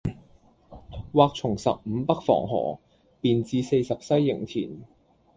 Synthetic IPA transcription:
waː˧k̚t͡sʰʊ˨˩ŋsɐ̰˨p̚m̩˨˧˥pɐ˥k̚fɔ̰ː˨˩ŋɦɔ̰ː˨˩ | piː˨nt͡siː˧se˧jsɐ˨p̚sɐ˥jːɪ˨˩ŋt̪ʰḭː˨˩n

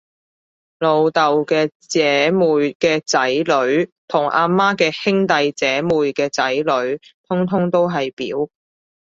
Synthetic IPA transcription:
lo˨˧wt̪ɐ˨wkɛː˧t͡sɛː˨˦muː˨jkɛː˧t͡sɐ˨˥jlɵ˨˧˥ɥt̪ʰʊ˨˩ŋʔaː˧maː˥kɛː˧hɪ˥ŋt̪ɐ˨jt͡sɛː˨˥muː˨jkɛː˧t͡sɐ˨˥jlɵ˨˥ɥt̪ʰʊ˥ŋt̪ʰʊ˥ŋt̪o˥wɦɐ˨jpḭː˨˥w

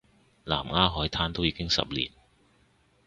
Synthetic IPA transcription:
la̰ː˨˩mŋaː˥ɦɔː˨˥jt̪ʰaː˥nt̪o˥wjiː˨˧˥kɪ˥ŋsɐ̰˨p̚lḭː˨˩n

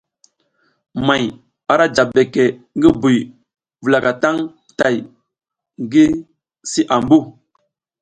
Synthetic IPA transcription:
ma˨j | a˨ɾa˦d͡ʒa˨be˨ke˨ŋɡi˦bu˨j | və˨la˨ka˨ta˦ŋ | ta˨j | ŋ˨ɡi˦ | si˦ʔa˨mbu˦

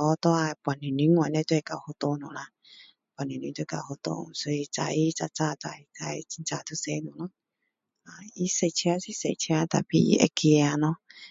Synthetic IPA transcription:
ɔ˧tɔ˦a˧˨˧pʷa˨ni˨ni˨˦ŋʷ˧˨a˨nɛ˧˦tu˦˧ɛ˧˨ka˨ho˧to˧nu˨la˧ | pʷa˨ni˨nũ˨˦tu˧˨ka˨ho˧to̰˧nu˨so˧i˧t͡sa˨i˦t͡sa˧t͡sa˦˨ta˧˨i˧t͡sa˧i˧t͡ʃi˧˦t͡ʃa˧˨tu˧˦se˧˦nu˨nɔ̃˦ | a˨i˦se˨˧˨t͡ʃi˧a˧si˦sḛ˨t͡ʃi˧a˧ta̰˨pi˦ḛ˧˦ki˧a˧nɔ˦

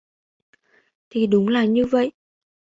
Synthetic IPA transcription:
t̪ʰi˨˩ɗʊ˨˦ŋ͡mlaː˨˩ɲɨ˧və̰˧˨jʔ

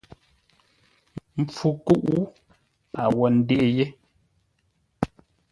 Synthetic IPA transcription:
mm̩˦p͡fu˦ku˦ʔu˦ | a˨wɔ˨n̩˦de˦ʔe˨je˦

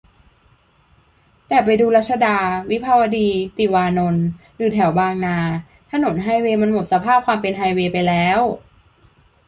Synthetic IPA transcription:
t̪ɛː˨˩pa˧jduː˧la˦˥t̪̚sʰa˧daː˧wi˦˥pʰaː˧wa˧diː˧t̪i˨˩waː˧no˧n | ɾɯː˩˦t̪ʰɛ˧˩˦wbaː˧ŋnaː˧ | t̪ʰa˧no˩˦nɦaː˧jweː˧ma˧nmo˨˩t̪̚sa˧pʰaː˥˩p̚kʰwaː˧mpe˧nɦaː˧jweː˧pa˧jlɛː˦˥w

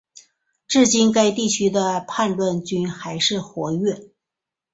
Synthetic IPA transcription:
ʈ͡ʂɻ̩˥˩t͡ɕi˥nka˥ɪt̪i˥˩t͡ɕʰy˥d̪ə˧pʰa˥˧nlwa˥˧nt͡ɕy˥nxa˧˥ɪʂɻ̩˥˩xwɔ˧˥ɥɛ˥˩

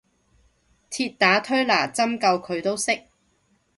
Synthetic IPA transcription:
t̪ʰiː˧t̚t̪aː˨˥t̪ʰɵ˥ɥlaː˨˩t͡sɐ˥mkɐ˧wkʰɵ˨˧ɥt̪o˥wsɪ˥k̚

